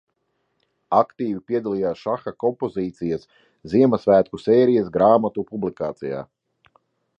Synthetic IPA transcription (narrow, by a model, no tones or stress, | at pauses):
akt̪iːvipiɛd̪alˠijaːsʃaxakɔmpɔziːt̪sijɐs | ziɛmɐsvæːt̪̚kuseːɾijasɡɾaːmat̪upublikaːt̪sija̰ː